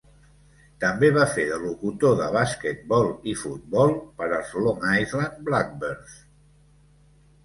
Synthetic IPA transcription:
t̪əmbeβafeðəlukut̪oðəβ̞asket̪̚bɔlˠifut̪̚bɔlˠpəɾəsloŋajzlanblak̚bəɾθ

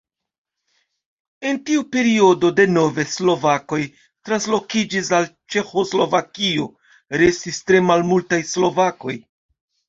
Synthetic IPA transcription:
e̞ntiupe̞ɾio̞do̞de̞no̞ve̞slo̞vako̞j | tɾanslo̞kid͡ʒis̬alt͡ʃe̞xo̞slo̞vakio̞ | ɾe̞stistɾe̞malmultajslo̞vako̞j

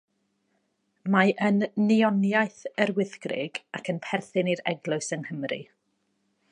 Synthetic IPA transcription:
maʔənːiɔnjajθərwɪθɡrɪ̰ɡakʰənpʰɛrθɪniɾɛ̰ɡlˠʊsənhəmrḭ

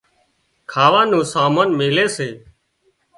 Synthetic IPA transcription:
kʰaːʋãːnũːsaːmaːnmeːleːseː

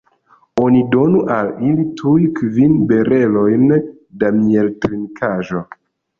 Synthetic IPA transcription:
o̞nido̞nuʔalilitʰujkvinbe̞ɾʔe̞lo̞jn | damie̞ltɾinkʰaʒo̞

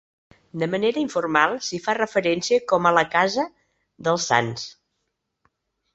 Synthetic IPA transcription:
d̪əməneɾəiɱfurmalˠsifarəfəɾɛnsiəkɔmələkazə | ðəlˠsːa̰ns

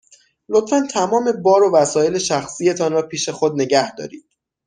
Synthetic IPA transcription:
lot̪fænt̪ʰæmɒːme̞bɒːɾovæsɒːje̞le̞ʃæxsije̞t̪ʰɒnɾɒːpʰiːʃe̞xod̪̚ne̞ɟæhd̪ɒ̰ːɾiːd̪̥

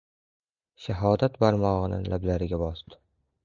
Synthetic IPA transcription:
ʃaɦɒd̪at̪baɾmɒʁɨnɪ̰nlʔablaɾɪɡʲabɒsd̪ɪ̥

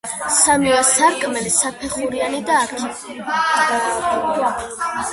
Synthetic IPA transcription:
samiasaɾkʼmɛlisapʰɛχuɾianid̪aːɾkʰi

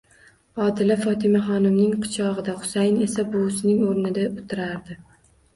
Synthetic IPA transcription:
ɒd̪ɪlafɒt̪ʰɪmaχɒnɪmnɪŋqʰɨ̥t͡ʃʰɒʁɨd̪aχʊ̥sajne̞sabʊsnɪŋoɾnɪd̪aʊt̪ʰɪɾaɾd̪ɪ

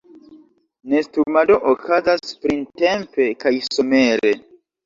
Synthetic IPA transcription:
ne̞stuɾmado̞ʔokʰazaspɾinte̞mpe̞kajsome̞ɾe̞

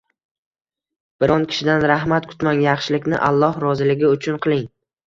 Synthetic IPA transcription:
b̥ɪɾɒnkʲʰɪ̥ʃɪd̪anɾahmat̪̚kʰʊ̥t̪maŋjɑχʃɪlɪkʲnɪ̰ʔa̰lˠːɒhɾɒzɪlɪɡʲɪʊt͡ʃʰʊnqʰɨlˠɪŋ

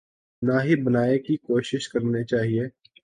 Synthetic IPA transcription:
naɦibɐnaːekikoːʃɪʃkɐɾnet͡ʃaːɦieː

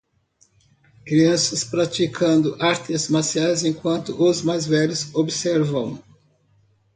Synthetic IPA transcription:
kɾiɐ̃sɐspɾat͡ʃ̪ikʰɐ̃nd̪ʊʔaɾt̪ezmasiajzẽkwɐ̃nt̪ʊʔʊzmajzvɛʎʊzobɪsɛɾvɐ̃w̃

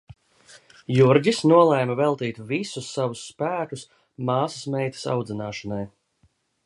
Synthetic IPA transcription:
juɾɟisnuɔlˠɛjmɐvɛlˠt̪iːt̪visusːavusːpæːkus | mɑːsasmɛjt̪ḁsa̰wd̪zinaːʃanaj

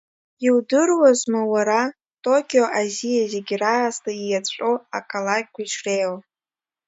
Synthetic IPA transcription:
iwdɨrwazmawaɾa | tʼo̞kʲʼio̞ʔazijaze̞ɡʲraːztʰaijat͡ɕʷʼoa̰kʼalak̚ʲʼkʷʰaiʂʰrejl

